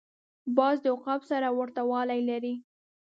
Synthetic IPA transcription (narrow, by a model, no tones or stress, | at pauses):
bɑzd̪əʊqɑbsaɾawaɾt̪awɑlajlaɾi